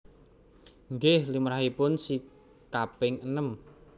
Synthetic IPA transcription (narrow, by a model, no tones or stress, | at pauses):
ŋɡɪhlimɾaɦipʊnsi | kapɪŋənəm